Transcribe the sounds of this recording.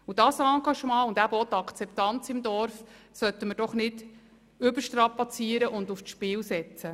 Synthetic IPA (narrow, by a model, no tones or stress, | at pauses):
ud̥ɑsɑɡɑʃmɑ̃ːʊnd̪æbɔt̪ːɑkʰt͡sɛpt̪ɑnt͡sɪmd̪ɔɾfsœt̪ːəməɾd̥ɔχnɪd | ʏbəɾʃtɾɑpɑt͡siəɾəʔʊnd̪ufʃpɪːlsɛt͡sə